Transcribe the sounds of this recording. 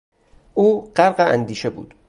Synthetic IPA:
ʔuːɢ̥æɾɢeʔæ̰nd̪iːʃebṵːd̪̥

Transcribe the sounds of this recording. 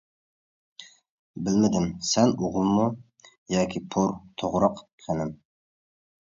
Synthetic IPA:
bɪlmɪd̪ɪmsɛnuʁəlˠmu | jɑːkʲʰipʰʊɾt̪ʰoʁɾɑq | χʲʰænɪm

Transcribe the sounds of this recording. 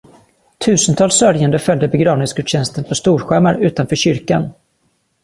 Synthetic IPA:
t̪ʰʉ̟ːsənt̪ʰɑːlsːœɾjand̪əfœld̪əbɛɡɾɑːvnɪŋsɡɵd̪ɕɛnst̪ənpʰɔst̪uːɾɧæmaɾʉ̟ːt̪anfœːɕʏɾkan

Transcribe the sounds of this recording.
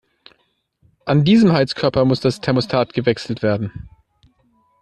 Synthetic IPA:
ʔandiːzəmhaɪlskʰœɐpɐmʊsd̥astʰɛɐmostʰaːtɡ̥əvɛksl̩tv̥eːɐdn̩

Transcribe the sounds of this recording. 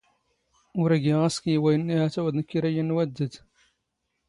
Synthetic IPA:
ʊɾæɡiʁæskjiwæjənːiʕæθæwæd̪nəkːiɾæjənːwæd̪ːəd̪

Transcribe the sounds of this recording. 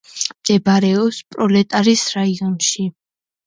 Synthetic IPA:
md̪̥ɛbaɾɛɔpspʼɾɔlɛt̪ʼaɾisɾaiɔnʃi

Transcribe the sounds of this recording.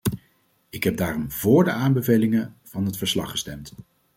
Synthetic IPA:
ɪkɦɛb̚daːrɔmvʊːɹdəaːmbəvejlɪŋəv̥ɑnɦətfəɹslɑ̰χəstɛmt

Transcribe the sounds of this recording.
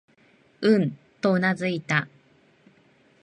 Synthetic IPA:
ɯ̟̃nt̪o̞ɯ̟nazɨit̪a

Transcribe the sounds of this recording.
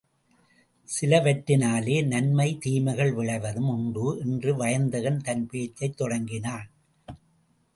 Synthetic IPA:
sɪlɐʋɐʈːɪnaːleːnɐnmɐɪt̪iːmɐɪɣɐɭʋɪɭɐʋɐðɯmʊɳbɯːʔɛndrɯʋɐjɐnd̪ɐɣɐnt̪ɐnpeːt͡ʃːɐɪt̪ːɔɽɐŋɡɪnaːn

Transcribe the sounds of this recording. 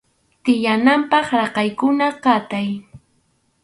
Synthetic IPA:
t̪ɪjanampɑχɾɑqɑjkʊnaqɑt̪aj

